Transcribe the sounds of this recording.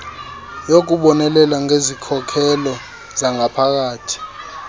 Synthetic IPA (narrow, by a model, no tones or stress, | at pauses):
jok̬ʼuɓɔnɛlɛlaŋezikʰɔkʰɛlɔ | zaŋapʰak̬aːtʰi̥